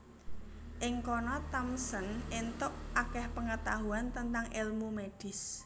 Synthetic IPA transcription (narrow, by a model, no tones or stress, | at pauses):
ʔɪŋkɔnɔt̪amsənent̪ʊʔʔakɛhpəŋət̪aɦuant̪ənt̪aŋʔɪlmumeɖ̥ɪ̤s